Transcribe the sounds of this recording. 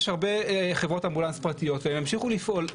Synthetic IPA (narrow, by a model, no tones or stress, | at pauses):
ʃhaʁbe̞χe̞vʁo̞tambulanspʁatijo̞tveemjamʃiχulifʔo̞l